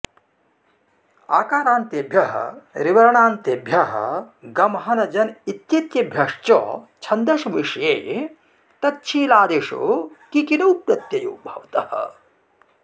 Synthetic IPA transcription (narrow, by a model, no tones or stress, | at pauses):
a̰ːkaːɾaːnt̪ebʱjɐɦɐ̰ɾiʋɐɾɐɳaːnt̪ebʱjɐɦɐ̰ɡɐmɦɐnɐd͡ʒɐnit̪jɐt̪jɐbʱjɐʂt͡ʃɔ̰t͡ʃʰɐnd̪ɐʃʋiʂjeː | t̪ɐt̚t͡ʃʰiːlaːd̪eːʂo̰ːkikinɐwpɾɐt̪jɐjo̰ːbʱɐ̰ʋt̪ɐ̰hɐ̰